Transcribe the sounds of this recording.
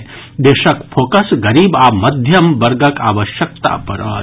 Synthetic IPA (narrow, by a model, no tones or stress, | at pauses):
d̪eːʃɐkfʰoːkɐsɡɐɾiːbaːmɐd̪ʱjɐmʋɐɾɡɐkaːʋəʃjək̚t̪a̰pɐɾɐː